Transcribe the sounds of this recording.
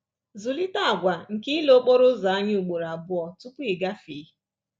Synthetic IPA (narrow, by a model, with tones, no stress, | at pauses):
zu˨li˦ta˦a˨ɡʷa˨ŋ̩˨ki˦lo˦k͡po˦ɾʊ˦za˨a˦ɲ˦u˨k͡po˨ɾa˨bʊ˦ɔ˨tu˦pʊ˦i˨ɡa˦fiː˨˦